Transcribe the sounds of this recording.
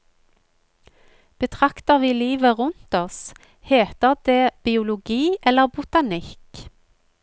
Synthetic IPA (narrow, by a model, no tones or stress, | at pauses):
b̥ət̪ʰʁɑkt̪əʁʋiːliːʋəʁʉnt̪ɔs | heːt̪əʁd̪eːb̥ɪʊlʊɡiːʔɛləʁbʊt̪ɑnɪk